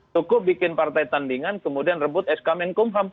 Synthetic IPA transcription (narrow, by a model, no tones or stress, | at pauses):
t͡ʃukʊp̚bikɪnpart̪ajt̪andiŋankəmudianrəbʊt̪̚ɛskamɛnkʊmɦam